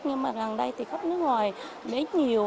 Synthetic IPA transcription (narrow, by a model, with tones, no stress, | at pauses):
ɲɨ˧ŋmaː˨˩ɣa˨˩ŋɗə˧jt̪ʰi˨˩xə˦˥nɨ˦əŋwaː˨˩j | ɗe˨˦ɲi˨˩əw